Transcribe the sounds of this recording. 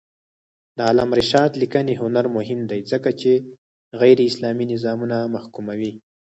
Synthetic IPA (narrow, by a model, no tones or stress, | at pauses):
d̪əɑlamɾɪʃɑd̪likəneɦʊnaɾmʊhɪmd̪ajzəkat͡ʃe | ɣajɾeɪslɑminɪzɑmunamaxkumawi